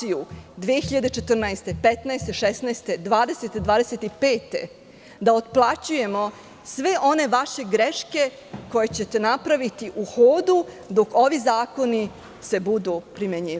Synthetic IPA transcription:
iud̪ʋieçiʎad̪e̞t͡ʃet̪r̩naest̪epet̪nɛest̪e̞ʃesnaest̪e̞d̪ʋaːd̪e̞set̪ed̪ʋaːd̪e̞set̪ipe̞ːt̪e̞̰ | d̪aot̪̚plˠat͡ɕuje̞mo̞ | sʋe̞ʔo̞ne̞ʋaʃe̞ɡɾeʃke̞ | ko̞je̞t͡ɕe̞t̪e̞napɾaʋit̪iʔuxoːd̪u | d̪o̞ko̞ʋizaːko̞ni | se̞bud̪upɾimeɲiː

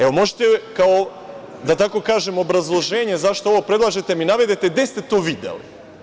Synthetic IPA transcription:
eʋo̞mo̞ʒet̪ekao | d̪at̪ako̞kaːʒemo̞bɾazlˠo̞ʒe̞ːɲe̞zaʃt̪ooʋopɾed̪lˠaːʒet̪e̞minaʋed̪et̪ed̪est̪e̞t̪oːʋid̪ḛlḭ

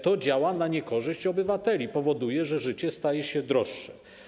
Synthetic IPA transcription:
t̪ɔd͡ʑawanaɲɛkɔʐɘɕt͡ɕɔbɘvat̪ɛlʲipɔvɔd̪ujɛʐɛʐɘt͡ɕɛst̪ajɛɕɛd̪ɾɔʂːɛ

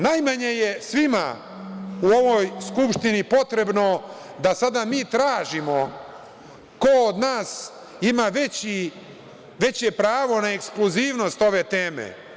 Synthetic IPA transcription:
najmaɲe̞jesʋima̰ | uo̞ʋo̞jskupʃt̪inipo̞t̪ɾe̞bno̞ | d̪asad̪amiːt̪ɾaːʒimo̞ | kood̪naːs | imaʋe̞t͡ɕi | ʋe̞t͡ɕepɾaːʋo̞naekskluziːʋno̞st̪o̞ʋe̞t̪eːmḛ

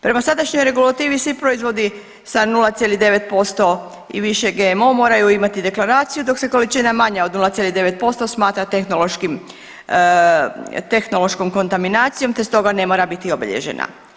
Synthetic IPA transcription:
pɾe̞masad̪aʃɲo̞jɾe̞ɡulat̪iːʋisʋipɾoizʋo̞d̪i | sanulˠat̪sjelid̪e̞ʋe̞t̪̚po̞st̪o̞ | ḭʋiʃe̞ɡeːmo̞mo̞ːɾajuimat̪id̪e̞klaɾaːt̪sijud̪o̞kse̞ko̞lit͡ʃinamaɲaod̪nulˠat̪sjelid̪e̞ʋe̞t̪̚po̞st̪o̞smaːt̪ɾat̪exnolˠoʃkim | t̪exno̞lo̞ʃko̞mko̞nt̪aminaːt̪sijo̞mt̪est̪o̞ɡane̞mo̞ɾabit̪io̞bḭʎḛʒḛna̰

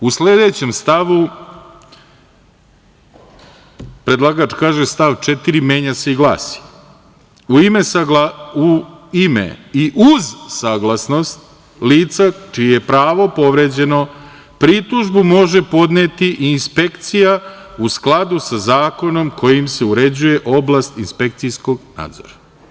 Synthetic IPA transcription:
usle̞d̪e̞t͡ɕe̞mst̪aʋu | pɾed̪lˠaɡat͡ʃkaːʒest̪aʋt͡ʃet̪iɾimje̞ːɲaseiɡlˠa̰ːsi̥ | uime̞saɡlauimḛiʔuzsaɡlˠasno̞st̪̚ | liːt̪sat͡ʃijejepɾaːʋo̞po̞ʋɾe̞ːd͡ʑe̞no̞ | pɾit̪uʒbumo̞ʒe̞po̞d̪net̪iʔinspe̞kt̪sija | usklˠad̪usazaːko̞no̞mkʰo̞jimse̞uɾe̞d͡ʑuje̞ʔo̞blast̪inspe̞k̚t̪sijsko̞ɡna̰ːd̪zo̞̰ɾa

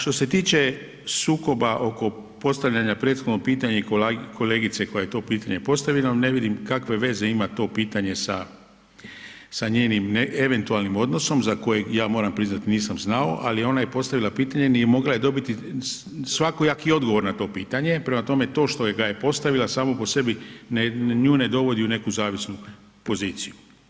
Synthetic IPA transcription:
ʃt̪o̞se̞t̪iːt͡ʃe̞ | suːko̞baʔo̞ko̞ | po̞st̪aʋʎaɲapɾe̞ːt̪xo̞d̪no̞piːt̪aɲeiokʰo̞leːɡit̪se̞ko̞jajet̪o̞ːpiːt̪aɲe̞po̞st̪aʋilane̞ʋid̪imkakʋe̞ʋe̞ze̞imat̪o̞piːt̪aɲe̞sa | saɲe̞ːnimneeʋe̞nt̪ualnimo̞d̪no̞so̞mzako̞je̞ɡjaːmo̞ːɾampɾiznat̪iniːsamznao̰ʔalio̞naje̞po̞st̪aʋilˠapiːt̪aɲenimo̞ɡlaje̞d̪o̞bit̪i | sʋako̞jakio̞d̪ɡo̞ʋo̞ɾnat̪o̞ːpiːt̪aɲe̞pɾe̞mat̪o̞me̞t̪o̞ːʃt̪o̞eɡajepo̞st̪aʋilasaːmopo̞se̞bineɲuːne̞d̪o̞ʋo̞d̪iune̞kuzaːʋisnu | po̞ziːt̪siju

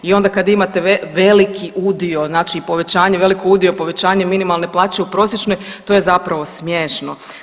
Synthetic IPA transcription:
io̞nd̪akad̪imat̪e̞eʋe̞likʰiʔud̪io̞znaːt͡ʃiːpo̞ʋe̞t͡ɕaːɲeʋe̞likʰouːd̪ijo̞po̞ʋe̞t͡ɕaːɲeminimalˠne̞plˠaːt͡ɕe̞upɾo̞sje̞t͡ʃnoj | t̪o̞je̞zapɾaʋo̞smjeːʃno

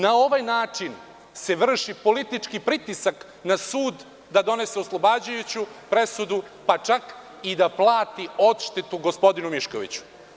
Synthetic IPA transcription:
nao̞ʋajnaːt͡ʂin | se̞ʋr̩ʃipo̞lit̪it͡ʂkipɾit̪isak | nasuːd̪ː | ad̪o̞ne̞seoslˠo̞bad͡ʑujut͡ɕupɾe̞sud̪u | pat͡ʂak | id̪aplˠaːt̪io̞t̪ʃt̪et̪uɡo̞spo̞d̪inumiʃko̞̰ʋḭt͡ɕu̥

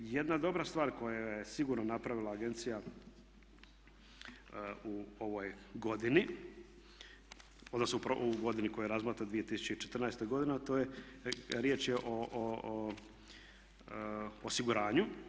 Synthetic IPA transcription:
jed̪nad̪o̞bɾast̪ʋaːɾko̞jajesiɡuɾnonapɾaʋilˠaːɡe̞nt̪sija | uoʋo̞jɡo̞d̪ini | od̪nosnoupɾouɡo̞d̪inikojujeɾazmat̪ɾad̪ʋije̞t̪isu̥t͡ɕeit͡ʃet̪r̩najst̪eɡo̞d̪inet̪oːje | ɾjeːt͡ʃjeʔo | osiɡuɾaːɲu

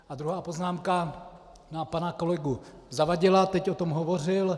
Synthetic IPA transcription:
ʔad̪ɾuɦaːpo̞znaːmka | napanako̞lɛɡu | zavaɟɪlat̪ɛcʔot̪o̞mɦovo̞r̝ɪl

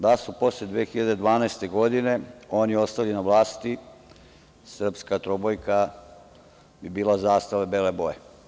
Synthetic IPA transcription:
d̪asupo̞sled̪ʋeːxiʎad̪e̞d̪ʋaːnaest̪e̞ɡo̞d̪ine̞o̞ːnjɛo̞st̪alinaʋlˠaːst̪i | sr̩pskat̪ɾobojka | bibiːlˠazaːst̪aʋebeleboje

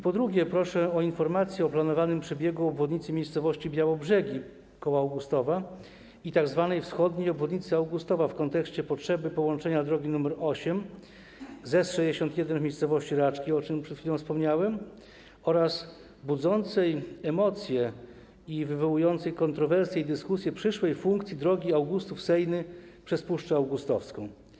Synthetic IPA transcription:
pɔd̪ɾuɡʲjɛpɾɔʂɛɔinfɔɾmat̪sʲjɛɔplanɔvanɘmpʂɛbʲjɛɡuɔbvɔd̪ɲit̪sɘmʲjejssɔvɔɕt͡ɕibʲjawɔbʐɛɡʲi | kɔwaːwɡust̪ɔva | it̪aɡzvanɛjfsxɔd̪ɲejɔbvɔd̪ɲit̪sɘawɡust̪ɔvafkɔnt̪ɛkɕt͡ɕɛpɔtʂɛbɘpɔwɔnt͡ʂɛɲad̪ɾɔɡʲinumɛɾɔɕɛm | zɛsʂɛd͡ʑeɕɔnt̪jɛd̪ɛnvmʲejst̪sɔvɔɕt͡ɕiɾat͡ʂkʲiɔt͡ʂɘmpʂɛt̪xfʲilɔ̃w̃fspɔmɲawɛm | ɔɾas | bud̪zɔnt̪sɛjɛmɔt̪sʲjɛ | ivɘvɔwujɔnt̪sɛjkɔnt̪ɾɔvɛɾsʲjɛid̪ɘskusʲjɛpʂɘʂwɛjfuŋkt̪sʲjid̪ɾɔɡʲiawɡust̪ufsɛjnɘpʂɛspuʂt͡ʂɛawɡust̪ɔfskɔ̃w̃

